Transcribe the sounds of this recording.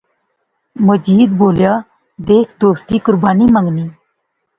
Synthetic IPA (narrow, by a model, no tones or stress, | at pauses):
məd͡ʒiːd̪boːljaː | d̪eːkʰd̪oːst̪iːkʊɾbaːniːməŋɡniː